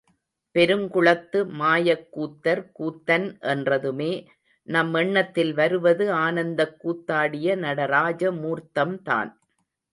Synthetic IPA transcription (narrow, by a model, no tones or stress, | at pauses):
pɛɾɯmkʊɭɐt̪ːɯmaːjɐkːuːt̪ːɐɾkuːt̪ːɐnʔɛndrɐðɯmeː | nɐmːɛɳːɐt̪ːɪlʋɐɾɯʋɐðɯaːnɐnd̪ɐkːuːt̪ːaːɽɪjɐnɐɽɐɾaːd͡ʒɐmuːɾt̪ːɐmt̪a̰ːn